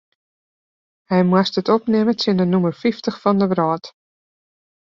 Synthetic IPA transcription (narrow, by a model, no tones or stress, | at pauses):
hɛjmwastətɔpnɪməsɪndənumərfiftəχfɔndəʋrɔːt